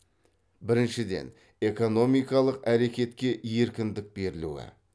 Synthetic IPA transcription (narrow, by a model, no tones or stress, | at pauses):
bɪɾɪnʃɪd̪e̞̰n | e̞ko̞no̞mijkɑlˠəqæɾe̞kʲe̞t̪kʲe̞je̞ɾkʲɪnd̪ɪk̚be̞ɾɪlṵwɪ̰